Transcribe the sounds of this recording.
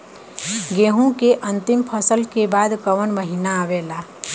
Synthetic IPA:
ɡeɦũkeʔə̃nt̪ɪmpʰəsəlkebaːd̪kəʋənməɦinaːʋeːlaː

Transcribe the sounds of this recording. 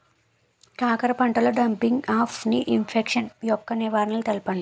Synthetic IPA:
ʈaːkɐɾɐpɐɳʈɐloɖɐmpiŋɡaːpʰniʔimpʰekʂɐnjɔkːɐniʋaːɾɐnɐlut̪ɐlpɐɳli

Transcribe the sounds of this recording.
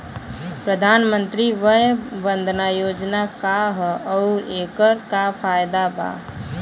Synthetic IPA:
pɾəd̪ʱaːnmə̃nt̪ɾiʋəɦbə̃nd̪ʱnajoːd͡ʒnakaɦɔʊɾeːkəɾkapʰaːjd̪aba̰ː

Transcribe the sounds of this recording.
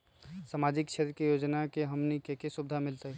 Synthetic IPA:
samad͡ʒɪkt͡ʃʰet̪ɾəkijoːd͡ʒnakeɦəmnikekesubd̪ʱamɪlt̪aɦi

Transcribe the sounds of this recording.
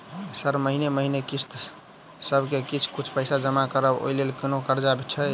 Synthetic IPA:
səɾməɦineməɦinekist̪ | səbʱkekit͡ʃʰkut͡ʃʰpəɪsad͡ʒəmakəɾəbo̰jlelkinokəɾd͡ʒabet͡ʃʰɛ

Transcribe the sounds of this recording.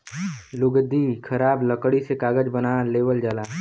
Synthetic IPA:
lʊɡd̪ikʰɐɾaːbləkɽisekaːɡəd͡ʒbənaːleːʋəld͡ʒaːlaː

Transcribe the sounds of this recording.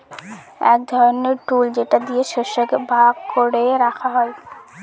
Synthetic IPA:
ɛk̚d̪ʱɔɾoneɾʈuld͡ʑeʈad̪ieʃeʃokebʱaɡ̚koɽeɾakʰaɦɔe

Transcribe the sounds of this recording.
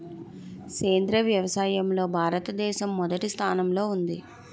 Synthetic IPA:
keːnd̪ɾɐʋjɐʋɐsaːjɐmlo̞ːbʱaːɾɐt̪ɐd̪ɛːʃɐmːɔd̪ɐʈist̪ʰaːnɐmlo̞ːund̪ḭ

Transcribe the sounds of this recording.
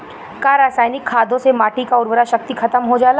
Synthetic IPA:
kaːɾaːsaːjnɪkʰːaːd̪ʱõsemaːʈikaʊɾʋəɾaʃɐk̚t̪ikʰɐt̪əmɦod͡ʒaːla

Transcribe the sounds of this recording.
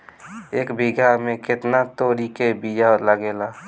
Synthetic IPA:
eːkbʱiɡamẽkɪt̪nat̪oːɾikebijaləɡeːlaː

